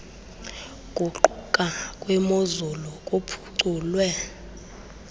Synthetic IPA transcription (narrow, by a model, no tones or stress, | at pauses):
kʼuǃukʼakʼwɛmozulɔkʼopʰu̥ǀuːlwɛ